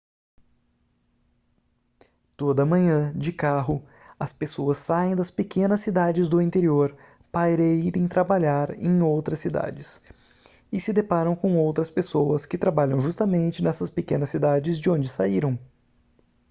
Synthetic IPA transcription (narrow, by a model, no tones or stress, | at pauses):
t̪od̪ɐmɐ̃ɲɐ̃d͡ʒɪkaɦʊ | ɐspesoɐsːaẽj̃d̪ɐspekẽnɐsːid̪ad͡ʒɪzd̪ʊĩnt̪eɾioɾ | paiɾeiɾẽj̃t̪ɾabaʎaɾḛ̃j̃owt̪ɾɐsid̪a̰d͡ʒɪs | ɪsɪd̪epaɾɐ̃w̃kõw̃owt̪ɾɐspesowɐskɪt̪ɾabaʎɐ̃w̃ʒust̪ɐmẽnt͡ʃɪnɛsɐspekẽnɐsːid̪ad͡ʒɪzd͡ʒɪõnd͡ʒɪsaiɾɐ̃w̃